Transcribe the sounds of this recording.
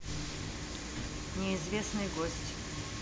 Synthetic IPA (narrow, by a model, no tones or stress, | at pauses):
nʲɛizvʲɛsnɨɡɔsʲtʲ